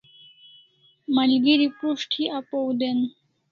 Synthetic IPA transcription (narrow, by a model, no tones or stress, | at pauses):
malɡiɾipɾuʂʈʰiʔapowd̪en